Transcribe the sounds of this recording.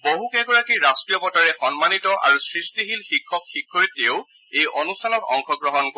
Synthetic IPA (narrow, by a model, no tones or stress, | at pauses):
boɦukɛɡɔɹakiɹastɹijɔpɔtaɹɛxɔnmanitɔʔa̰ɹusɹistiɦilxikʰːɔkxikʰːɔjɛteʊ | ejʔonustʰanɔtɔ̰ŋxɔɡɹɔɦɔnko